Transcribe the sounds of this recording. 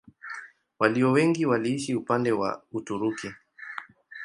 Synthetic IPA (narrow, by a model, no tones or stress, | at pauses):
waliɔwɛŋɡiwaliːʃiupandɛwa̰utuɾuki